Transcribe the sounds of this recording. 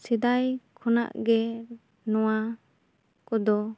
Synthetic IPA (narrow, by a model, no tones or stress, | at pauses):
sid̪ajkʰɔna̰ʔɡɛ | nɔwa | kɔd̪ɔ